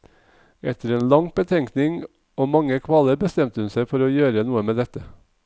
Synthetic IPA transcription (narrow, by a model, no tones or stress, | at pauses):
ʔɛt̪ʰəɾeːnlɑŋb̥ət̪ʰɛŋknɪŋ | oːmɑŋəkʰʋɑːləɾbəst̪ɛmt̪əhʉnsæɪfɔɾoːjøːɾənuːəmeːd̪ɛt̪ə